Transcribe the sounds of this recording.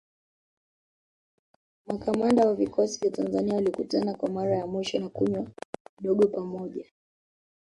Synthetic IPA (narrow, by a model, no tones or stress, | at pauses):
mwakamandawavikʰɔsivjatanzaniaulikutanakwamaɾajamwiʃɔnakuɲwaiɗɔɠɔpamɔʄa